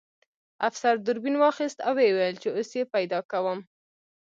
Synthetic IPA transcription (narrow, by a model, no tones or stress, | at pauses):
afsaɾd̪ʊɾbinwɑxist̪awewajlt͡ʃeosjepajd̪ɑkawəm